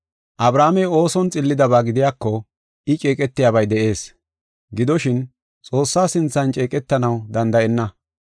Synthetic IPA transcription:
ʔɐbɾaːmɛjo̞ːsɔnt͡sʼɪlːɪd̪ɐβaːɡɪd̪ɪjaːkːɔ | ɪt͡ʃʼeːkʼɛt̪ːɪjaːβɐjd̪ɛʔe̞ːs | ɡɪd̪ɔʃɪn | t͡sʼo̞ːsːaːsɪnt͡sːɐnt͡ʃʼe̞ːkʼɛt̪ːɐnɐwd̪ɐnd̪ɐʔɛnːɐ

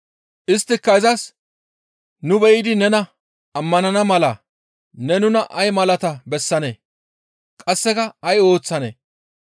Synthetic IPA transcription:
ʔɪst̪ːɪkːɐɪzɐs | nʊbɛjɪd̪ɪnɛnɐ | ɐmːɐnɐnɐmɐlɐ | nɛnʊnɐʔɐjmɐlɐt̪ɐbɛsːɐnḛː | kʼɐsːɛkɐɐjo̞ːt͡sːɐnḛː

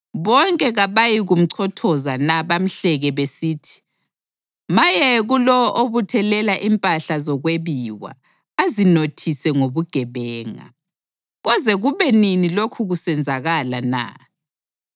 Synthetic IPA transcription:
βɔŋkʼɛɣaβajiɣum̩ǀʰɔtʰɔzanaβam̩ɬɛɣɛβesiːtʰi̥ | majɛɣulɔʔoβutʰɛlɛlaʔimpʼaɬazɔɣweβiwa̰ː | zinotʰisɛŋoβuɡ̥ʱɛβɛːŋa̰ | ɣɔzɛɣuβɛninilokʰuɣusɛnd͡zʱaɣalana̰

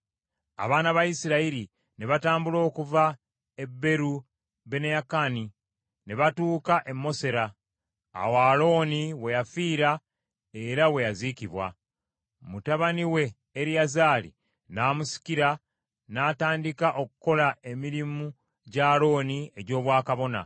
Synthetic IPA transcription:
a̰βaːnaβajisiɾaiɾi | ne̞βataːmbulo̞ːkuva | e̞bːe̞ɾu | βe̞nejakani | ne̞βatuːkaʔe̞mːo̞se̞ɾa̰ː | waːlo̞ːniwe̞jafiːɾa | eɾawe̞jaziciβwa̰ | mutaβaniwe̞ː | ɾijazaːlḭ | naːmusi̥ciɾa | naːtaːndikaʔo̞kuko̞lae̞miɾimu | ɟalo̞ːnie̞ɟo̞ːβwaːkaβo̞na̰

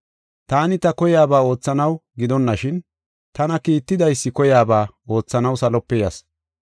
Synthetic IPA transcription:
t̪aːnɪt̪ɐkɔjaːbaːo̞ːt͡sːɐnɐwɡɪd̪ɔnːɐʃɪn | t̪ɐnɐkiːt̪ːɪd̪ɐjsːɪkɔjaːbaː | o̞ːt͡sːɐnɐwsɐlɔpːɛjɐs

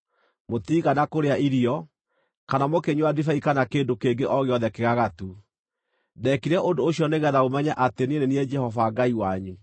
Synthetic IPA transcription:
motiːɣanakoɾeaiɾiɔ | kanamokeɲwadifaikanakeːndokeŋɡeʔɔɣeɔðɛkeɣaɣatu | dɛkiɾɛʔondoːɕiɔneɣɛðaɣomɛɲaʔatenieneniɛd͡ʒɛhɔvaɡaiwaɲu

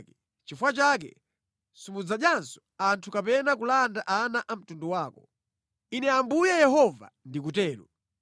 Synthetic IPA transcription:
kɛ | t͡ʃifwat͡ʃak̬ɛ̰ | sumud͡zaɗjansɔ̥antʰukapɛnak̬ulandaʔanaʔam̩tunduwaːkɔ | inɛambujɛjɛɦɔva̰ndik̬utɛːlṵ

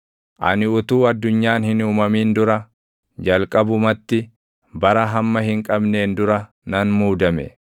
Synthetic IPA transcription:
ʔɐ̰nɪʊt̪uːɐd̪ːʊɲːaːnhɪnuːmɐmiːnd̪ʊɾɐ | d͡ʒɐlkʼɐbʊmɐt̪ːɪ | bɐɾɐɦɐmːɐɦɪŋkʼɐbne̞ːnd̪ʊɾɐ | nɐnmuːd̪ɐmɛ̰

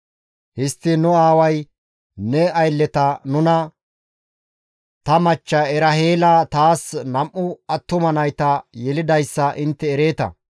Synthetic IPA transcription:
hɪst̪ːɪnʊaːwɐj | nɛɐjlːɛt̪ɐnʊnɐ | t̪ɐmɐt͡ʃːɐɛɾɐheːlat̪aːsnɐmʔːʊɐt̪ːʊmɐnɐjt̪ɐjɛlɪd̪ɐjsːɐʔɪnt̪ːɛːɾe̞ːt̪ɐ̰

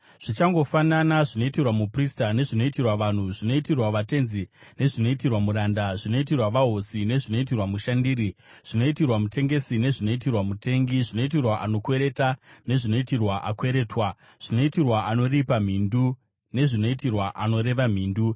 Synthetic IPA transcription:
ʐ̥it͡ʃaŋɡo̞fananaʐino̞itirwamupristane̞ʐino̞itirwaʋan̤uʐino̞itirwaʋate̞nzine̞ʐino̞itirwamuɾandaʐino̞it̬irwaʋaɦosine̞ʐino̞it̬irwamuʃandiːɾiʐ̥ino̞itirwamute̞ŋɡe̞sine̞ʐino̞itirwamute̞ŋɡiʐino̞it̬irwaʔano̞kwe̞ɾe̞tane̞ʐino̞itirwaʔakwe̞ɾe̞ːtwa | ʐ̥ino̞itirwaʔano̞ripam̤indu | ne̞ʐino̞itirwaʔano̞ɾe̞ʋam̤iːndu

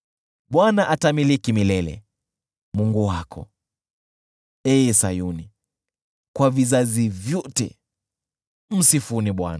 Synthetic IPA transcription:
ɓwanaʔatamilikimilɛlɛ̰ | muŋɡuwakʰɔ̰ | ɛsajuni | kwavizazivjɔtɛ̰ | m̩sifuniɓwa̰na

